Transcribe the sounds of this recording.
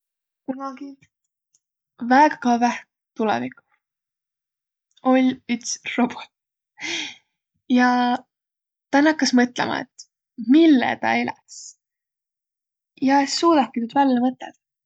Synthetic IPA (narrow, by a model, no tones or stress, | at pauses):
kunɑɡi | væeɡɑ̥kɑvæh | t̪ulɛ̰viku̥ | o̞lʲyt̪srob̥o̞t̪ | jɑ | t̪ɑnɑkːɑsmɤt̪ˑlḛmʔɑ̰ḛt̪ː | milːɛ̰t̪ɑ̰elɛ̰s | jɑesːuːd̪ɑkːinyːd̪̥vælːɑmɤt̪ːḛd̪̥